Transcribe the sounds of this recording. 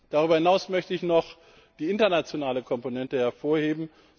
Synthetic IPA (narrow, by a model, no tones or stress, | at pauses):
d̥aʁyːbɐhɪnaʊsmœçtəɪçnɔχ | d̥iːɪntɐnat͡sjonaːləkʰɔmponɛntəhɛɐfoːɐheːbm̩